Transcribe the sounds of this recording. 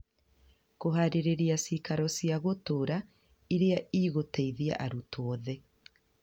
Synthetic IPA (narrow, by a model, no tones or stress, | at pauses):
koɦaɾeɾeɾeasikaɾɔsiaɣotoɾa | iɾeaiːɣoteiðia̰ʔaɾutoɔðɛ